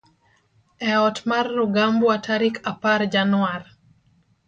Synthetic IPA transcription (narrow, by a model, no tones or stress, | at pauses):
ɛɔtmarːuɡambuataɾikapaɾd͡ʒanwar